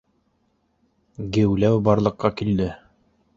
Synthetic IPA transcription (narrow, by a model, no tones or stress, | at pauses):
ɡɘ̆wlæwbɑɾlˠɤ̆qːɑkild̪ɘ